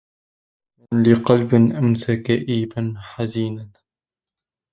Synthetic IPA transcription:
manlɪqɑlbɪnʔamsakaʔiːbanħaziːnan

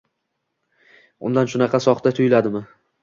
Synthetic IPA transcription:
ʊ̰nd̪anʃʊnɑqʰɑsɒχt̪at̪ʰʊjɪlad̪ɪmɪ

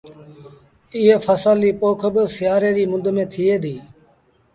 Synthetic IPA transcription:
ɪːɦeːfʰəsəlːiːpoːkʰbəsɪjaːɾeːɾiːmʊd̪ʱmẽːt̪ʰiːeːd̪ʱiː

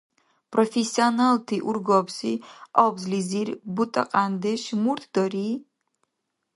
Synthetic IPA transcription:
pʼrɔfɛsiɔnalt̪ʰiʔuɾɡɔbsiɔbzlizirbut̪ʼɐ̰qʼand̪ɛʃmuɾt̪ʰd̪̥ɔɾi

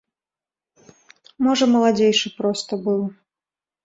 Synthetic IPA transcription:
mɔʐɐmɐlˠad͡zʲejʂɨpɾɔst̪ɐbɨwˠ

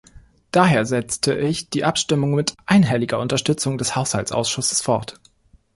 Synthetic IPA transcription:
d̥aːɦeːɐzɛt͡stʰəʔɪçd̥iːʔapʃtɪmʊŋmɪtʔaɪnɦɛlɪɡɐʔʊntɐʃtʏt͡sʊŋdɛshaʊshalt͡sʔa̰ʊsʃʊsə̥sfɔɐt

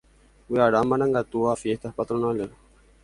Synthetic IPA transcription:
uaːɖaːmːɐnɐŋɡat̪uaːfieht̪ɐpɐt̪uɾunaːleɾ

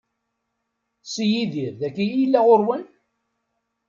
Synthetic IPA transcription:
sijiðiɾðækːijilːæʁoɾwən

